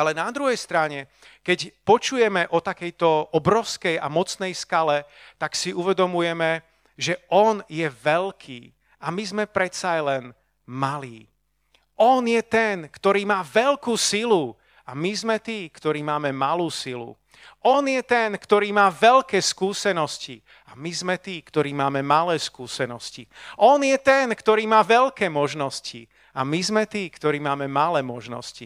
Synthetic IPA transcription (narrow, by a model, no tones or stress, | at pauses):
alɛnad̪ɾuɦɛjst̪ɾaɲɛ | kɛcpɔt͡ʃujɛmɛʔɔt̪akɛjt̪ɔʔɔbɾɔʊskɛja̰mɔt͡snɛjskalɛt̪aksiuʋɛd̪ɔmujɛmɛ | ʒɛɔnjɛʋɛlkʰḭː | amizmɛpɾɛt͡sajlɛn | maliː | ɔnjɛt̪ɛnkt̪ɔɾiːmaːʋɛlkuːsilu | amizmɛt̪iːkt̪ɔɾiːmaːmɛmaluːsilṵ | ʔɔnjɛt̪ɛnkt̪ɔɾiːmaːʋɛlkɛːskuːsɛnɔsci | amizmɛt̪iːkt̪ɔɾiːmaːmɛmalɛːskuːsɛnɔsciʔɔnjɛt̪ɛnkt̪ɔɾiːmaːʋɛlkɛːmɔʒnɔscḭ | amizmɛt̪iːkt̪ɔɾiːmaːmɛmalɛːmɔʒnɔ̰scḭ